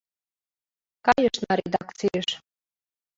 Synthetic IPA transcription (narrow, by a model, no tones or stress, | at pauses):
kɑjəʃnɑɾʲed̪ɑkt͡sijəʃ